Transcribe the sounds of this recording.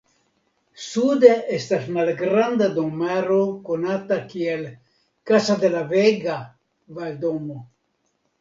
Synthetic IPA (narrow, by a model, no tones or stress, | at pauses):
sud̪eest̪asmalɡɾand̪ad̪oŋmaɾokonat̪akiel | kasad̪elaveɡa | vaeld̪omo